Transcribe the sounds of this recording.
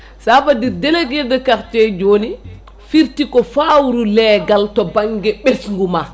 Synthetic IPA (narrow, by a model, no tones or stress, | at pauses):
safadiɾdelekidəkakt͡ʃed͡ʒoːni | fiɾtikɔfawɾulɛːɡaltɔbaŋɡɛɓesŋɡuma